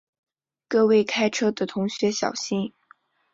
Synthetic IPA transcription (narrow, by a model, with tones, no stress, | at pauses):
kɤ˥˧we˥˩ɪkʰa˥ɪʈ͡ʂʰɤ˥d̪ə˨t̪ʰʊ˧˥ŋɕɥɛ˧˥ɕjɑ̰˨˩ʊɕi˥˩ŋ